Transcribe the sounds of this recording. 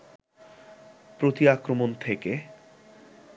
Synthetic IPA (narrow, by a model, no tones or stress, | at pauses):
pɾot̪iakɾomont̪ʰeke